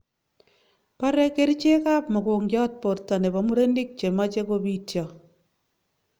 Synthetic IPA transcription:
pa˦ɾɛ˦ke˦ɾi˦t͡ʃe˦ka˦pmɔ˨ko˨ŋd͡ʒɔ˦t̚po˨ɾta˨ne˨ba˨mu˦ɾe˦ndi˦k̚t͡ʃe˨ma˦t͡ʃe˦ko˦bi˦tjɔ˨

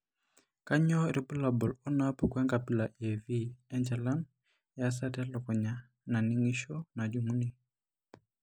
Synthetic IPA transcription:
ka˦ɲɔ˦ɾi˨pu˦la˨bɔ˨lɔ˦na˦pu˨kwɛ˦ŋɡa˨pi˦la˨ʔɛ˨vi˦ɛ˦nd͡ʒɛ˨la˦n | ja˦s̬a˦ta˦lɔ˨kɔ˨ɲa˨ | na˨ni˦ŋi˦ʃɔ˦na˨d͡ʒu˨mu˦ni˨

